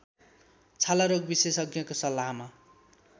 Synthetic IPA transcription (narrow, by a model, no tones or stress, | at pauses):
t͡sʰalaɾoɡ̚bisesʌɡjʌkosʌlːaɦma